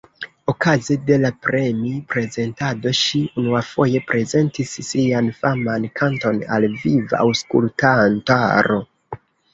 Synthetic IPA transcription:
o̞kazede̞lapɾe̞mipɾe̞ze̞ntado̞ʃiunuafo̞je̞pɾʔe̞ze̞ntisːianfamankanto̞na̰lviva̰ʔa̰wskṵltantaɾo̞

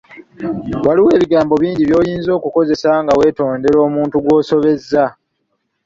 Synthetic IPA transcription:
waliwe̞ːβiɡaːmbo̞βiːɲɟiβjo̞ːjiːnzoːkuko̞ze̞saŋɡawe̞ːto̞ːnde̞ɾo̞ːmuːntuɡwo̞ːso̞βe̞zːa

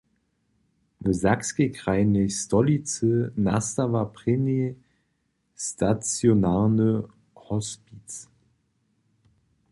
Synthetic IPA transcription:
nəzakskekʁaɪnɪstɔlit͡sənastavapʁ̥ɛmje | stʰat͡sjonaʁnə | hɔspit͡s

